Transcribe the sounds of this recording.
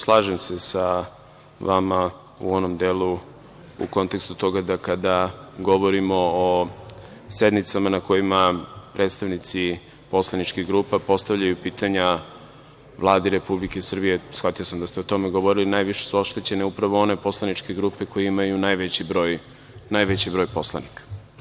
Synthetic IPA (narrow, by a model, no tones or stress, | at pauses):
slˠaːʒemse̞sa | ʋama | ṵo̞no̞md̪eːlu | ṵko̞nt̪e̞kst̪u̥t̪o̞ɡad̪akad̪aɡo̞ʋo̞ɾimo̞o | se̞d̪nit̪samanako̞jimapɾed̪st̪aʋnit̪si | po̞slˠanit͡ʃkiɣɡɾuːpapo̞st̪aʋʎajupiːt̪aɲa | ʋlˠaːd̪iɾe̞publikesr̩bijesxat̪ijosamd̪ast̪eo̞t̪o̞meɡo̞ʋo̞ɾilinaːjʋiʃesuoʃt̪et͡ɕe̞neupɾaʋo̞o̞ne̞po̞slˠanit͡ʃke̞ɡɾuːpe̞ko̞jeimajunajʋet͡ɕibɾo̞ːj | najʋet͡ɕibɾo̞jpo̞slˠa̰nikḁ